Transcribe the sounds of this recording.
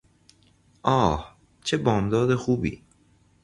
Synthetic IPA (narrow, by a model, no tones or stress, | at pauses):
ʔɒːh | t͡ʃʰe̞bɒːmd̪ɒːd̪exuːbḭː